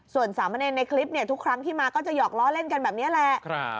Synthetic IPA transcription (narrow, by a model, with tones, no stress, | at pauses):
su˨˩ənsaː˩˦ma˧neː˧nːa˧jkʰli˦˥p̚ni˥˩ət̪ʰu˦˥kʰɾa˦˥ŋt̪ʰiː˥˩maː˧kɔː˥˩t͡ɕa˨˩jɔː˨˩k̚lɔː˦˥˩le˥˩nka˧nbɛː˨˩p̚ni˦˥˨lɛ˨˩ʔk